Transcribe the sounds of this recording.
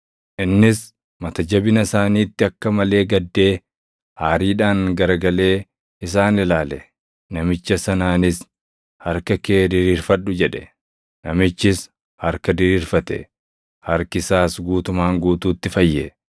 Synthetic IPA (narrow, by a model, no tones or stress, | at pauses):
ʔɪnːɪs | mɐt̪ɐd͡ʒɐbɪnɐsaːniːt̪ːɪɐkːɐmɐle̞ːɡɐd̪ːe̞ː | haːɾiːᶑaːŋɡɐɾɡɐle̞ː | ɪs̬aːnɪlaːlɛ | nɐmɪt͡ʃːɐsɐnaːnɪs | hɐɾkɐkeːd̪ɪɾiːɾfɐᶑʊd͡ʒɛᶑɛ̥ | nɐmɪt͡ʃːɪs | hɐɾkɐd̪ɪɾiːɾfɐt̪ɛ̰ | hɐɾkɪsaːsɡuːt̪ʊmaːŋɡuːt̪uːt̪ːɪfɐjːɛ